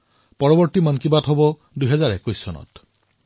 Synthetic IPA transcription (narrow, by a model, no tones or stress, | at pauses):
pɔɹɔbɔɹt̪imankibat̪ɦobɔ | d̪ujɦɛzaɹekujsɔ̰nɔ̰t